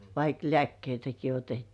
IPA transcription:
ʋɑik lĕæˑkːeitæki otetːiː

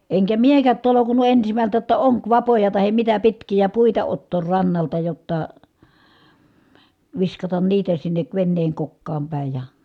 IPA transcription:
eŋkæ miekæt tolokunˑu ensimæltæ jotːɑ oŋkʋɑpojɑ tɑhem mitæ pitkijæ puitɑ otːoːr rɑnːɑltɑ jotːɑ ʋiskɑtɑn niːtæ sinːek ʋenːeːŋ kokːɑːm pæˑi̯ jɑ

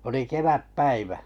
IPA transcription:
oli keʋæpːæiʋæ

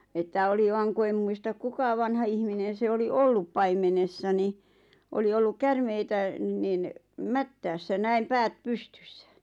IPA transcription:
etːæ oli ʋɑŋ ku em muistɑ kukɑ ʋɑnhɑ ihminen̞ se oli olːup pɑimenesːɑ ni oli olːuk kærmeitæ nin mætːæːsːæ næim pæːt pustẙsːæ̥

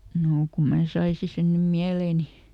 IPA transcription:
noː ku mæː sɑisi sen nym miæleˑni

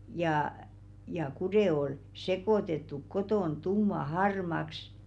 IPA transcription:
jɑˑ jɑ kudeˑ ol sekoˑtetːuk kotoˑn tumːɑ hɑrmɑks

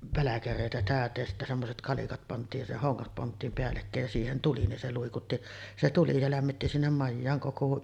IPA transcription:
pælækæreˑitæ tæˑøtˑeːj jɑ sitːæ semːoset kɑlikɑt pɑntˑiːj jɑ se hoŋːɑt pɑntˑiːm peælːekːæˑej jɑ siːhen tuli nin se luikutːi se tuli se læmːitːi sinːem mɑjːɑːŋ koko

